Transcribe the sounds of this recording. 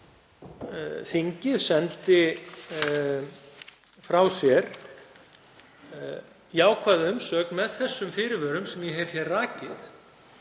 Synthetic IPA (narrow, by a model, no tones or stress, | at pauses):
θiɲcɪðsɛnt̪ɪ | fɾawsjɛɾ̥ | jaːwkʰvaːðɪʏmsœːknmɛðθɛsːʏmfɪːɾɪvœːɾʏmsɛmjɛɦɛjv̥çjɛrraːcɪθ